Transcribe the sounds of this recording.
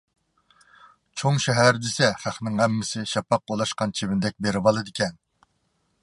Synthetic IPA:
t͡ʃʰoŋʃɛɦæɾd̪ɪsɛχæχnɪŋæmːɪsɪʃɑpːɑq̚ːolˠɑʃqɑnt͡ʃʰebɪnɪd̪ɛk̚ʲbeɾɪbɑlˠɨd̪ɪkʲʰɛn

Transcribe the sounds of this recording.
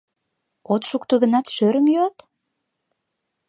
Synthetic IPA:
ot̪ʃuk̚t̪uɣə̆nɑt̪ʃøɾəmjøɑt̪

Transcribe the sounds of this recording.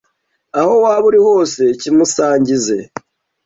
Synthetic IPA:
aho̞waːβuɾiho̞ːse̞cimusaːɲɟize̞̰

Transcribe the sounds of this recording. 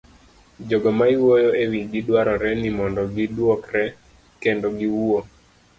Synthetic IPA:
d͡ʒɔɡɔmaiwojɔewiɡidwaɾɔɾɛnimɔndɔɡidwɔkɾɛ | kɛndɔɡiwuo

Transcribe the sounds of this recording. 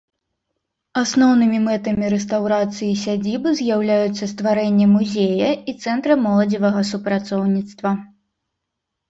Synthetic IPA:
asnɔwnɨmʲimɛt̪ɐmʲiɾɛst̪awɾat̪sɨjis̬ʲad͡zʲibɨzʲjawlʲajut̪sːɐst̪vaɾɛnʲːɛmuzʲejɐit̪sɛnt̪ɾɐmɔlˠɐd͡zʲivɐɣɐsupɾat̪sɔwnʲit̪st̪vɐ

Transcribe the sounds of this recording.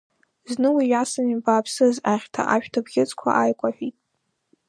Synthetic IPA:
znɨwijasɨmibaːpʰsɨzaχʲtʰa̰ʔaʃᶣtʰabɡʲɪt͡sʼkʷʰa̰ʔajkʷʼaħᶣitʼ

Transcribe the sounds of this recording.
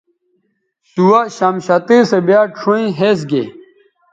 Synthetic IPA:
suwɐɕamɕɐt̪eːsɐbjaːʈ͡ʂʰoĩɦes̬ɡḛ

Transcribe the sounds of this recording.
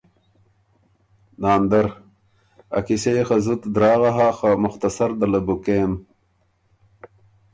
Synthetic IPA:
naːnd̪ɐɾ | ɐ̰kisexɐzut̪d̪ɾaːɣaɦaxamʊxt̪ɐsɐɾd̪ɐlɐbukeːm

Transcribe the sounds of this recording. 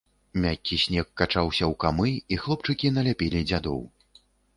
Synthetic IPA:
mʲakʲːisʲnʲɛkːat͡ʂawsʲɐwkamɨixlˠɔp̚t͡ʂɨkʲin̪ɐlʲapʲelʲid͡zʲad̪ɔ̰w

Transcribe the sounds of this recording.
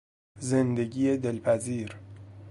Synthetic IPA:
ze̞nd̪eɡiːed̪elpʰæziːɾ

